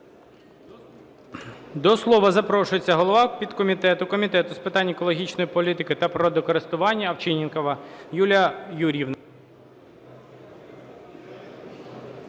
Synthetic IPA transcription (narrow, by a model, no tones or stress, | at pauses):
d̪ɔslˠɔʋɐzɐpɾɔʃʊjet͡sʲːɐɦɔlˠɔʋɑpʲid̪kɔmʲit̪ɛt̪ʊkɔmʲit̪ɛt̪ʊspɪt̪ɑnʲɛkɔlˠɔɦʲit͡ʃnɔjipɔlʲit̪ɪkɪt̪ɐpɾɔd̪ɔkɔɾɪst̪ʊʋɑnʲːɐɐwt͡ʃɪnʲinkɔʋɐjulʲɐjuɾʲiwnɐ